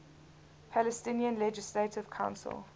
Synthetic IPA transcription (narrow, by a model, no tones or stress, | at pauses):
pʰælɛstɪ̃niə̃nlɛd͡ʒɪsletɪv̥kʰãʊ̃nsə̰lˠ